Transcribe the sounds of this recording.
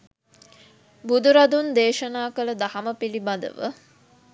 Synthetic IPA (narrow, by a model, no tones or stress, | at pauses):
bud̪uɾɐd̪und̪eːʃɐnaːkələd̪ɐhɐməpilibɐd̪ə̰ʋə̰